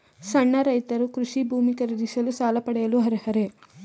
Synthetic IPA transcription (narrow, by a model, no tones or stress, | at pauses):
sɐɳːɐɾɐjt̪ɐɾukɾuʂibʱuːmikɐɾɐd̪isɐlusaːlɐpɐɽɛjɐluɦɐɾehɐɾe